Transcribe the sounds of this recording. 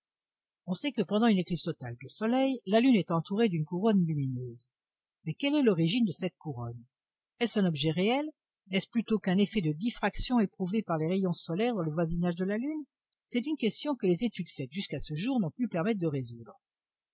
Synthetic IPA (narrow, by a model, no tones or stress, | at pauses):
ɔ̃sɛkəpɑ̃d̪ɑ̃yneklipst̪ɔt̪ald̪əsɔlɛjlalynɛt̪ɑ̃t̪uʁed̪ynkuʁɔnlyminøːz | mɛkʲɛlɛlɔʁiʒind̪əsɛt̪̚kuʁɔn | ɛsɛ̃nɔbʒɛʁeɛl | nɛsplyt̪okɛ̃nefɛd̪əd̪ifχaksjɔ̃epχuvepaʁleʁejɔ̃sɔlɛʁd̪ɑ̃ləvwazinaʒd̪əlalyn | sɛt̪ynkʲɛst̪jɔ̃kəlezet̪yd̪fɛt̪ʒyskasəʒuʁnɔ̃plypɛʁmɛt̪̚d̪əʁezud̪ʁ